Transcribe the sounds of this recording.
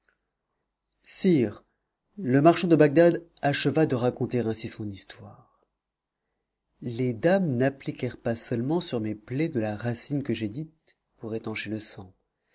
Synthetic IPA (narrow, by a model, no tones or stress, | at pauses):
siʁ | ləmaʁʃɑ̃d̪əbaɡ̚d̪ad̪aʃəvad̪əʁakɔ̃t̪eʁɛ̃sisɔ̃nist̪waːʁ | led̪amnaplikʲɛʁpasœlmɑ̃syʁmeplɛd̪əlaʁasinkəʒed̪it̪ | puʁet̪ɑ̃ʃeləsɑ̃